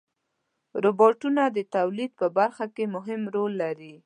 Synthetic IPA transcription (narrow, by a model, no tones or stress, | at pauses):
ɾobɑʈunad̪ət̪awlid̪̚pəbaɾxakemʊɦɪmɾolːaɾi